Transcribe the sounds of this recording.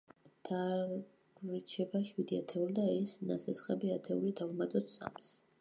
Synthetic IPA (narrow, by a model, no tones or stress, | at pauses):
d̪̥a | ɡɾt͡ʃʰɛbaʃwid̪ia̰t̪ʰɛuld̪aɛsna̰sɛsχʼɛbiat̪ʰɛulid̪avumat̪ʼɔt̪sa̰ms